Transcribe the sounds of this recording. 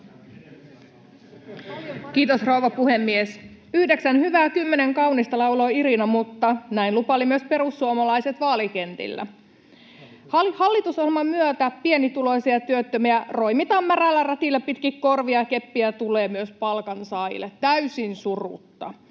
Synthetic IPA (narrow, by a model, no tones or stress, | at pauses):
kiːt̪osrouʋɑpuhemːies | yhdeksænhyʋæːkymːeneŋkɑunist̪ɑlɑuloiɾinɑmut̪ːɑnæinlupɑlimyøspe̞ɾusːuomɑlɑiset̪ʋɑːlikent̪ḭlːæ̰ | hɑhɑlːit̪usolmɑmyøt̪æpienit̪ulojsiɑt̪yøt̪ːømiæro̞imit̪ɑmːærælːærɑt̪ilːepit̪kikkorʋiɑkepːiæt̪uleːmyøspɑlkɑnsɑilːet̪t̪ːæysinsurṵt̪ːɑ̰